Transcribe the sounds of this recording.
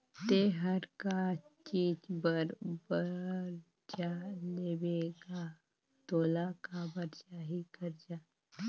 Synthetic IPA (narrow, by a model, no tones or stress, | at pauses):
t̪eɦəɾkat͡ʃiːd͡ʒbəɾbəɾ | d͡ʒaleʋeɡa | t̪olakabəɾd͡ʒaɦikəɾd͡ʒa